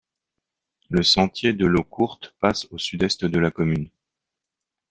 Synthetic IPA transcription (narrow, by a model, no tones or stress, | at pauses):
ləsɑ̃t̪jed̪əlokʰuʁt̪pasosyd̪ɛst̪d̪əlakɔmyn